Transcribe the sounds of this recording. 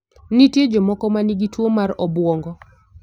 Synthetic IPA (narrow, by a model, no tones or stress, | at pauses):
nitjed͡ʒɔmɔkɔmaniɡitwomaɾɔbwɔŋɡɔ